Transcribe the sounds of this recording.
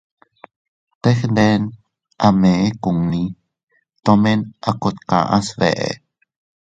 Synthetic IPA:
t̪exndɛn | ʔameekuŋni | t̪omenʔakot̪ka̰ʔasvḛʔḛ

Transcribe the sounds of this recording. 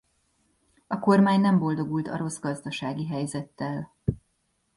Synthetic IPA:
ɒko̞rmaːɲnɛmbo̞ld̪o̞ɡult̪ɒ̰ɾo̞zɡɒzd̪ɒʃaːɡiɦɛjzɛt̪ːɛl

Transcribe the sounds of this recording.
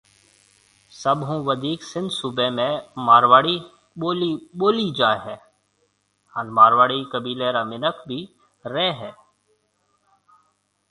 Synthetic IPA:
sɐbɦũʋəd̪ʱiːksɪ̃nd̪subemẽmaːɾʋaːɽi | boːliboːlid͡ʒaːɦɛː | ə̃nmaːɾʋaːɽikəbiːleɾamɪnəkʰbʱi | ɾɛːɦɛː

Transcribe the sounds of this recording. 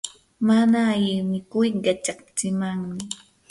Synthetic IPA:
manaːʎɪmɪkʊjɢat͡ʃakt͡sɪmaŋmɪ

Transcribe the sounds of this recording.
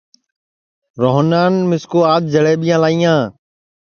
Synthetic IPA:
ɾoːɦnaːnmɪskoːaːd̪̚d͡ʒəɭeːɓijãːlaːiːãː

